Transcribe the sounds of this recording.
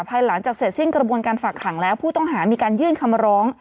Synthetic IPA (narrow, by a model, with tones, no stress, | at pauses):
pʰaː˧jla˩˦ŋt͡ɕaː˨˩k̚se˨˩t̪̚si˥˩ŋkɾa˧bu˧ənkaː˧nfaː˨˩kʰːla˩˦ŋlɛː˦˥wpʰuː˥˩t̪ɔ˥˩ŋɦaː˩˦miː˧kaː˧njɯː˥˩nkʰa˧mɾɔː˦˥ŋ